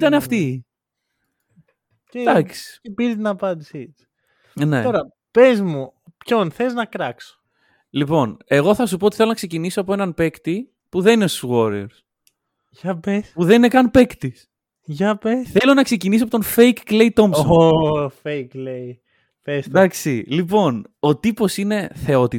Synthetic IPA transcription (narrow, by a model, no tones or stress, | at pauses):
t̪ɐneɐft̪i | ed̪ɐksi̥epiɾt̪inɐpɐnd̪isi̥ | nḛt̪o̞ɾɐ | pezmupçonθeznɐkɾɐkso̥ | lipo̞ne̞ɣo̞θɐsupot̪i̥θelonɐkse̞cinisoɐpoenɐnpe̞kt̪i | puðe̞ninesuɣoɾiḛɾs | ʝɐpespuðeninekɐnpe̞kt̪is | ʝɐpesθθe̞lo̞nɐkse̞cinis̬oɐp̬o̞t̪o̞nfejkːlejt̪o̞msoofejklei | pesd̪ɐksḭlipo̞no̞t̪ipo̞sine̞θe̞o̞t̪i